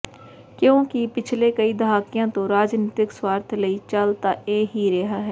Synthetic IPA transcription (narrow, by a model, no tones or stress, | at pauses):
kjõkipɪt͡ʃʰlekəid̪ɐɦaːkijãt̪oɾaːd͡ʒniːt̪ɪkswaːɾt̪ʰləit͡ʃaːlt̪aʔeːɦiɾeɦaɦɛː